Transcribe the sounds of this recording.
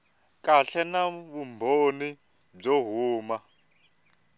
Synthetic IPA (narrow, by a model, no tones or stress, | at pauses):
kʼaɬɛnaβumbʱoni | b͡ʐɔɦuːma